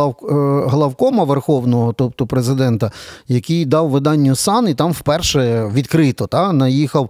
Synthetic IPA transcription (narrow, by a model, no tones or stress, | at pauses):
ɦlˠɐwkɔmɐʋerxɔwnɔɦɔt̪ɔp̚t̪ʊpɾezɪd̪ɛnt̪ɐjɐkijd̪ɑwʋɪd̪ɑnʲːʊsɑnit̪ɑmwpɛrʃɛʋʲid̪kɾɪt̪ɔt̪ɑnɐjixɐw